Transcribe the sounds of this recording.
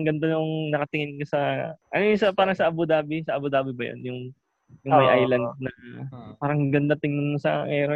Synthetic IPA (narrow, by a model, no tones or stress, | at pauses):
ŋɡɐnd̪ɐnoŋnɐkɐt̪ɪŋɪnkɐsɐʔɐnojʊnsɐpaːɾɐŋsɐʔɐbʊd̪aːbɪsɐʔɐbʊd̪aːbɪbɐjo̰njʊŋ | jʊŋmɐjʔajlɐnd̪̚nɐpaːɾɐŋɡɐnd̪ɐt̪ɪŋnʊnːɐsɐ̰ʔɛːɾo